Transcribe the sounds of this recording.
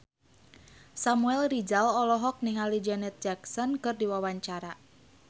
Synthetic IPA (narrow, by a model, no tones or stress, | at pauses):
samuɛlrid͡ʒalɔlɔɦɔk̚niŋalid͡ʒɛnɛt̪̚d͡ʒaksɔnkɨrdiwawaɲt͡ʃaɾa